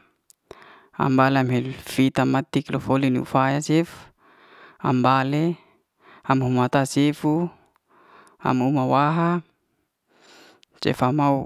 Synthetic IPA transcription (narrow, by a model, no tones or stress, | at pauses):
a̰mbaleamɦelfit̪amat̪ikilofoliniṵfajasef | a̰mbale | amɦumat̪asefu | a̰mumawaɦa | t͡ʃḛfamau